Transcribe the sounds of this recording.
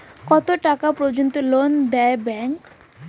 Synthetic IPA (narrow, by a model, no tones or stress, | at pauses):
kɔt̪oʈakapɾod͡ʑont̪olond̪ɛebɛŋk